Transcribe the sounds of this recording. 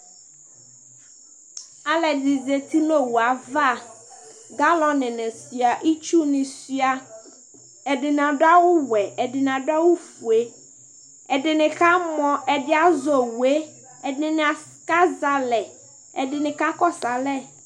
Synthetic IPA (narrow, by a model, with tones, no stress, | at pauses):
a˦lɛ˨di˨d͡ze˨t̪i˦no˦wu˨a˨va˦˨ | ɡa˦lɔ̃˦nɪ̃˨nɛ̃˨si˨a˨ʔi˦t͡ʃu˦nɪ̃˨si˦a˨ | ɛ˨ɖɪ˨n˨ã˨ɖʊ˦a˦wʊ˦wɛ˨ɛ˨dɪ˨nã˨ɖʊ˦a˦wʊ˦fu˨e˦ | ɛ˨ɖɪ˨nɪ̃˨ka˦mɔ̃˨ʔɛ˨dɪ˦a˦zɔ˨wu˨e˦ | ɛ˨dɪ̃˨nɪ̃˨a˨s | ka˦za˨lɛ˨ | ɛ˨dɪ˨nɪ̃˨ka˦kɔ˦sa˨lɛ˦˨